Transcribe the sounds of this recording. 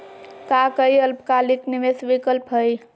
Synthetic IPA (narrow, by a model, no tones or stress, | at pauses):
kakəiəlpkalikniʋesʋikəlpɦəj